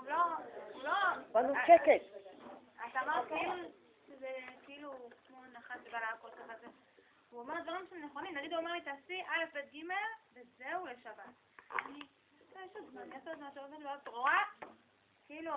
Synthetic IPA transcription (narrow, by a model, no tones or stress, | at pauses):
uloulobanukeket̪ | at̪aːmaʁt̪ki | ʃezekeilukmonaχanʃebalaakolkaχaze | uamed̪vaʁimʃemneχo̞nimnaɡid̪uamelit̪asiʔalefbet̪̚ɡime̞lbezeule̞ʃabat | ani | tojeʃozmanasot̪aʃaamaʃbalatʁoa | kiilu